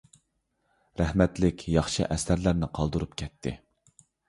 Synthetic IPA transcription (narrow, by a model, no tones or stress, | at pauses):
ɾæhmɛt̪lɪkʲʰjɑχʃɨ̰ʔɛsæɾlæɾnɪqʰɑlˠd̪uɾupkʲʰɛt̪ʰːɪ̰